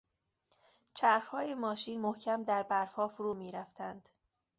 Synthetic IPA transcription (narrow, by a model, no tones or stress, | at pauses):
t͡ʃʰæɾxhɒːjemɒːʃiːnmohcʰæmd̪æɾbæɾfɒːfoɾuːmiːɾæft̪ʰænd̪̥